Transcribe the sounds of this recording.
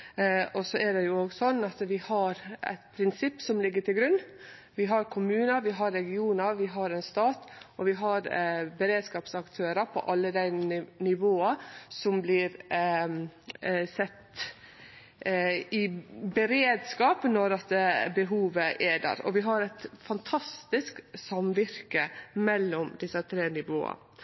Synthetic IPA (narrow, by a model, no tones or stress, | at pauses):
ɔsɔʔædɛjʊoːɡsɔnːɑt̪ʋɪhɑɾæ̰ɪt̪pʰɾɪnsɪpːsɔmlɪɡːəʈɪlɡɾʉnː | ʋɪɦɑɾkʰʊmʉːnəɾʋɪɦɑɾɛɡɪuːnəɾʋɪɦɑɾɛnst̪ɑːt̪ɔʋɪɦɑɾbəɾeːd̪skɑːpsɑkt̪ʰøːɾəpʰɔ̰ʔɑlːəd̪æɪnɪʋoːɑsɔmblɪɾ | sɛt̪ː | ɪbɛɾeːd̪skɑːpnɔɾɑt̪bəɦuːʋəʔeːd̪ə̰ɾɔ̰ʋɪɦɑɾæt̪fɑnt̪ʰɑst̪ɪsksɑmʋɪɾkəmɛlːɔmd̪ɪsət̪ʰɾeːnɪʋo̰ːɑ̰